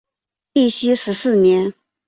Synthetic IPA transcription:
i˥˩ɕy˥ʂɻ̩˧˥sɹ̩˥˩njɛ˧˥n

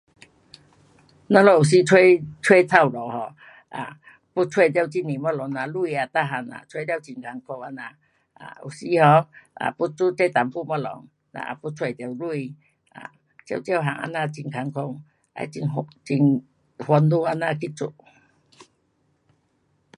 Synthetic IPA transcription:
nã˧˦lɔ˧˨u˨s̬i˧˦t͡sʰwe˦t͡sʰwe˦t̪ʰa˧˨wlɔ˨hɔ˨˧ | a̰˨ | pu˦t͡sʰwe˥˧˨t̪̬je˦˧wt͡ɕi˧nĩ˨mɔ˦lɔ˨˦ŋna˧lu˧i˧a˧t̪a˦˧ɦa˧˩na̰˨t͡sʰwe˧˦da˧˨wt͡ɕi˨˩ŋkʰa˨˧ŋkʰo˧wa˧nã˧˨ | a̰˨ṵ˨˩si˧hɔ˧a̰˨pu˦t͡su˦t͡ɕe˦t̪a˨mpu˦˨mɔ˧lɔ̰˨˦ŋ | na̰˧a̰˧pu˧t͡sʰwe˧˨t̪e˧˩wlu˦˧i˧ | a̰˨ | t͡ɕjḛ˧˨wt͡ɕja˧˨wɦa˨˧˨ŋa̰˧nã˧t͡ɕi˨ŋkʰa˨˧ŋkʰo˧ŋ | a̰˧˦i˧˨ŋt͡ɕi˧ŋ | hwa˧ndu˦a˧nã˧˨ki˦˧t͡sṵ˧˩˨

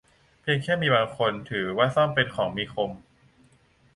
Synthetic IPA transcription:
pʰi˧əŋkʰɛː˥˩miː˧baː˧ŋkʰo˧nt̪ʰɯː˩˦waː˥˩sɔ˥˩mpe˧nkʰɔː˩˦ŋmiː˧kʰo˧m

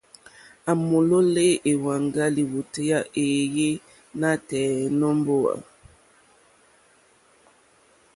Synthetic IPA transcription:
a˨mo˨lo˦le˦ʔe˨wa˨ŋɡa˦li˨wo˨te˦ja˦ʔe˨je˦ | na˦tɛː˨nɔ˦mbo˦a̰˨

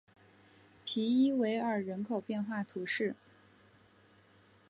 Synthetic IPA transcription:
pʰi˧˥i˥we˧˥ɪə˞˨˩ɻə˧˥nkʰo˨˩ʊpjɛ˥˧nxwa˥˩t̪ʰu˧˥ʂɻ̩˥˩

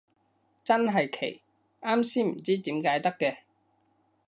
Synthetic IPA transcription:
t͡sɐ˥nɦɐ˨jkʰḛ˨˩j | aː˥msiː˥m̩˨˩t͡siː˥t̪iː˨˥mkaː˨˥jt̪ɐ˥kːɛː˧

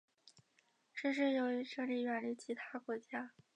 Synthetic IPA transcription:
ʈ͡ʂ̩˥˧ʂ̬ɻ̩˥˩jo˧˥ʊi˧˥ʂɤ˥˧li˥˩ɥɛ˨˩nli˧˥t͡ɕʰi˧˥t̪ʰa˥kwɔ˧˥t͡ɕja˥

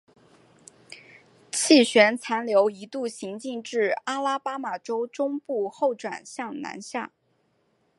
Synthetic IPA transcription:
t͡ɕʰi˥˩ɕɥɛ˧˥nt͡sʰa˧˥nljo˧˥ʊi˧˥t̪u˥˩ɕi˧˥ŋt͡ɕi˥˧ŋʈ͡ʂɻ̩˥˩a˥la˥pa˥ma˨˩ʈ͡ʂo˥ʊʈ͡ʂʊ˥ŋpu˥˧xo˥˩ʊʈ͡ʂwa̰˨˩nɕjɑ˥˩ŋna̰˧˥nɕja̰˥˩

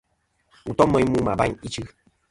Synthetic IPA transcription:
u˨tɔ˦mə˦ɲ˦mu˦ma˨ba̰˦ɲi˦t͡ʃɨ˦

